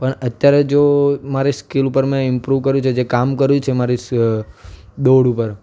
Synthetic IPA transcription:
pəɳət̪jaɾed͡ʒomaɾiskilupəɾmẽɪmpɾuʋkəɾjũt͡ʃʰed͡ʒekamkəɾjũt͡ʃʰemaɾis | d̪oɽupəɾ

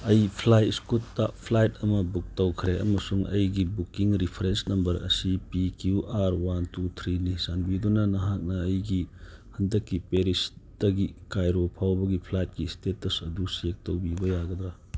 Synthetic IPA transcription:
ɐjpʰlajtskutːapʰlajtʰɐmɐbuk̚tɐwkʰɾeɐ̰mɐsuŋɐ̰jɡibukiŋɾipʰɾensnɐmbɐɾɐ̰sipikjuʔaɾwantutʰɾinisanbidunɐnɐɦak̚nɐːjɡihɐndɐkːipeɾisd̥ɐɡikajɾopʰawbɐɡipʰlajt̚kistetːɐsɐdusek̚tɐwbibɐjaɡɐd̪ɾɐ

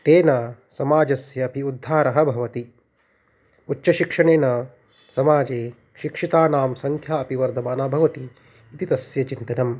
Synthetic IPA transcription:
t̪eːnɐsɐmaːd͡ʒɐsjɐːpiud̪ʱːaːɾɐɦɐ̆bʱɐʋɐt̪i | utːʃɐʃikʂɐɳeːnɐ | sɐmaːd͡ʒeː | ʃikʂit̪aːnaːmsɐŋkʰjaːɐpiʋɐɾd̪ʱɐmaːnaːbʱɐʋɐt̪iː | t̪it̪ɐsjɐt͡ʃint̪ɐnɐm

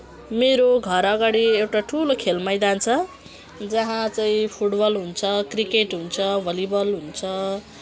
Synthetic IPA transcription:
meɾoɡʱʌɾʌɡaɽiewʈaʈʰulokʰelmajd̪ant͡sʰʌ | d͡zʌɦãt͡saĩpʰuʈbʌlɦunt͡sʰʌkrikeʈɦunt͡sʰʌbʱʌlibʌlɦunt͡sʰʌ

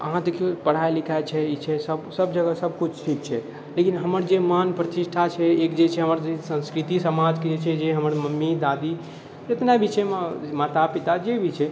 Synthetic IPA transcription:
ə̰ɦãd̪ekʰijopəɽ̤aelikʰaet͡ʃʰɛit͡ʃʰɛsəbsəbd͡ʒəɡəsəb̚kut͡ʃʰʈʰik̚t͡ʃʰɛ | lekinɦəməɾd͡ʒemanpɾət̪iʃʈʰat͡ʃʰɛekd͡ʒet͡ʃʰɛɦəməɾd͡ʒesə̃nskɾit̪isəmad͡ʒked͡ʒet͡ʃʰɛd͡ʒeɦəməɾməmːid̪ad̪i | d͡ʒet̪nabiʃɛmmat̪apit̪ad͡ʒebʱit͡ʃʰɛ

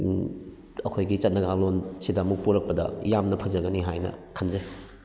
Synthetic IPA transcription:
ɐkʰojɡit͡ʃɐt̚nɐɡaŋlonsidɐɐmuk̚puɾɐk̚pɐdɐ̰jamnɐpʰɐzɐɡɐniɦajnɐ̰kʰɐnze

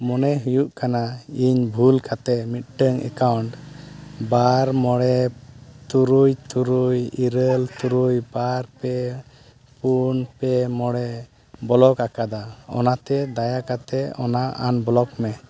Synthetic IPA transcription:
mɔnɛɦujuʔkanaiɲbʱulkʰat̪ɛmit̪̚ʈəŋɛ̰kawɳʈ | baɾmɔɽɛt̪uɾujt̪uɾujiɾəlt̪uɾujbaɾpɛ | punpɛmɔɽɛ | bɔlɔkakad̪aɔ̰nat̪ɛd̪ajakat̪ɛɔ̰naʔa̰nbɔlɔkmɛ

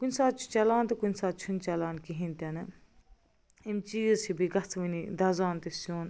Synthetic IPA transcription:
kunʲsaːt̪̚t͡ʃʰu̥t͡ʃɐlaːnt̪ekunʲsaːt̪̚t͡ʃʰunt͡ʃɐlaːnkiɦĩnt̪ɐnɐ | imt͡ʃisʰibiɡɐt͡sʰʋinid̪ɐzaːnt̪isoːn

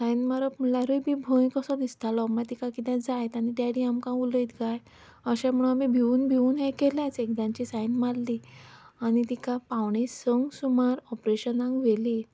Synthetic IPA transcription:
sajnmaɾəpm̤əlaɾujbʱibʱõjkəsɔd̪ist̪alɔməat̪ikakit̪ɛ̃d͡zajt̪añit̪aɽiamkãuləit̪ɡaj | əɕãm̤uɽunamibʱiuːnbʱiuːnɦẽkelãt͡sek̚d̪ãɲt͡ɕisajnmaɽli | añit̪ikapawɳesəŋɡsumaɾɔpɾeɕənãŋɡʋeli

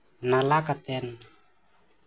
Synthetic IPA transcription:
nalakat̪ɛn

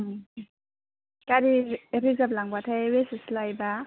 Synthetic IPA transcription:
kaɾieɾizaplaŋbatʰajwesislajba

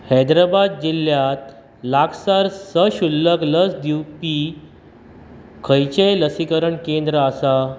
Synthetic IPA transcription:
hajd̪ɾabad̪̚d͡ʑiljat̪ | laɡsaɾsəɕulːəkləsd̪iwpi | kʰəjt͡ɕeləsikəɾəɳkend̪ɾəasa

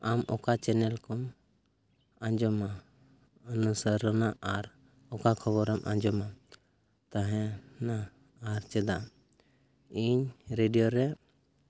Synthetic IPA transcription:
amʔɔkat͡ʃɛnɛlkɔm | aɲd͡ʒɔma | ənusəɾɔnaʔaɾ | ɔkakʰɔβɔɾɔmʔã̰ɲd͡ʒɔma | t̪aɦɛ̃naː | ɾt͡ʃɛd̪a | iɲɾeɖijɔɾɛ

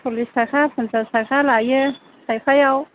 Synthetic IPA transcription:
pʰolisaxapɪnzəsaxalajə | sajfajaw

